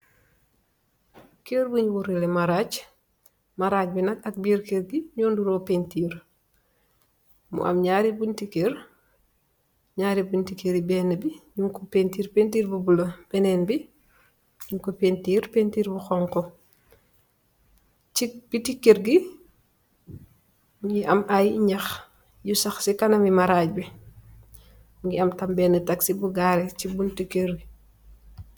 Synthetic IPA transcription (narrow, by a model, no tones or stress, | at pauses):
keɾbuɲwuɾilemaɾat͡ʃ | maɾaːc̚binɐkɐk̚biɾkeɾɡiɲɔːnduɾopentiːɾ | mṵʔɐ̰mɲaːɾibuntikeɾ | ɲaːɾibuntikeɾibɛːnɐbiɲuŋkopentiːɾpentiːɾbubulɐb̥ɛnɛnbi | juŋkopentiːɾpentiːɾbuxɔŋkɔ | t͡ʃib̥itikːeɾɡi | ŋɡiʔɐmʔajɲɐx | jusɐxsikɐnɐmimaɾaːc̚bi | uŋɡiɐmtɐmbɛːnətaksibuɡaːɾɛt͡ʃibuntikeɾɡi